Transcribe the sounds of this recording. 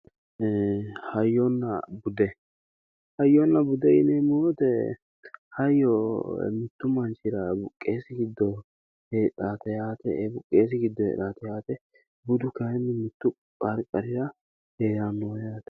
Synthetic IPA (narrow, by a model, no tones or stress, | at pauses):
hɐjːɔnːɐbʊd̪ɛ | hɐjːɔnːɐbʊd̪ɛɪnɛmoːt̪ɛ | hɐjːɔ̰mɪt̪ːʊmɐnt͡ʃɪɾɐbʊkʼːeːsɪɡɪd̪ːɔ | hɛᶑaːt̪ɐjaːt̪ɛbʊkʼːeːs̬ɪɡɪd̪ːɔhɛ̰ᶑaːt̪ɛjaːt̪ɛ | bʊd̪ʊkɐɛnːɪmɪt̪ːʊ | kʼɐɾkʼːɐɾɪɾɐ | heːɾanːoːjaːt̪ɐ̥